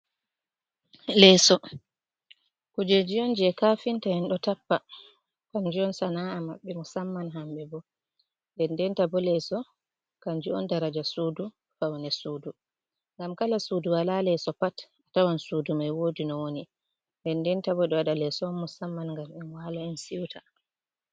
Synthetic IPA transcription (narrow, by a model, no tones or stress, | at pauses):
lɛːsɔ | kud͡ʒed͡ʒiɔnd͡ʒɛɛkaːfintahɛnɗɔtapːa | kaɲd͡ʒiɔnsanaamaɓːɛmusamːanɦambɛbɔ | ndɛndɛntabɔlɛsɔ | kaɲd͡ʒiɔ̰ndaɾad͡ʒasuːdu | fawnɛsuːdu | ŋɡamkalasuːduwalalɛsɔpat | atawansuːdumajwodinɔwoni | ndɛndɛntabɔɗɔwaɗalɛsɔnːusamːanŋɡamɛnwalaɛnsiwtʰa